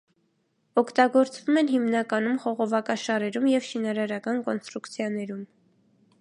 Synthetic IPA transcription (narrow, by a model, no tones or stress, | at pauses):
ɔkʰt̪ɑɡɔɾt͡svumɛnɦimnɑkɑn̪umχɔʁɔvɑkɑʃɑɾɛɾumjɛvʃinɑɾɑɾɑkɑnkɔnst̪ɾukt͡sʰjɑnɛɾum